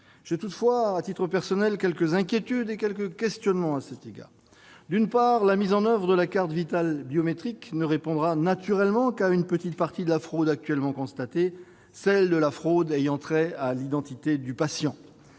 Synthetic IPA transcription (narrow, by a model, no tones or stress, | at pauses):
ʒ̥et̪ut̪fwaːt̪it̪χəpɛʁsɔnɛlkʲɛlkəzɛ̃kʲjet̪yd̪ekʲɛlkəkʲɛst̪jɔnmɑ̃asɛt̪eɡa̰ʁ | d̪ynpaʁlamizɑ̃nœvʁəd̪əlakaʁt̪vit̪albjɔmet̪χiknəʁepɔ̃d̪ʁanat̪yʁɛlmɑ̃kaynpət̪it̪̚paʁt̪id̪əlafχod̪ak̚t̪ɥɛlmɑ̃kɔ̃st̪at̪e | sɛld̪əlafχod̪ɛjɑ̃t̪χɛalid̪ɑ̃t̪it̪ed̪ypasjɑ̃